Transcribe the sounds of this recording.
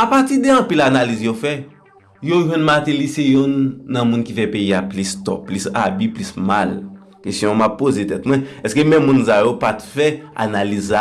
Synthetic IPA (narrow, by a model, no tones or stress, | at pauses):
apatid̪eɐ̃pilanalizjofɛ | joʒwɛ̃nmat̪elisejɔ̃nːɐ̃mũnkifɛpeiaplist̪ɔ̰pːlisa̰biplismal | kestjɔ̃mapːozet̪ɛt̪mwɛ̃ɛskemɛ̃mːũnsajopat̪fɛa̰naliza